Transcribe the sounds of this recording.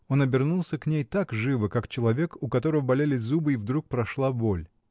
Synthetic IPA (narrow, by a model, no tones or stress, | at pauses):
o̞nɐbʲɪrnulˠsʲəknʲejt̪akʐɨvɨkakt͡ɕɪlˠɐvʲe̞kʊkɐt̪o̞ɾəvəbɐlʲelʲɪzubɨivd̪ɾuk̚pɾɐʂlˠabo̞lʲ